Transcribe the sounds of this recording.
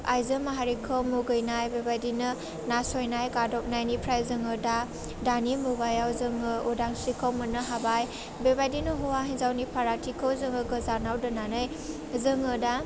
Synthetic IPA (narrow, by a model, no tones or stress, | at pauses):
ajzɯmaɦaɾikʰɔwmuɡɯjnajbebajdinɯ | nasɔjnajɡadɔp̚najnipʰɾajzɯŋɯda | danimubajawzɯŋɯudaŋsikʰawmɯnɯɦabaj | bebajdinɯɦɔwaɦinzawnipʰaɾatʰikʰɯwzɯŋɯɡɯzanawdɯnanɯj | zɯŋɯda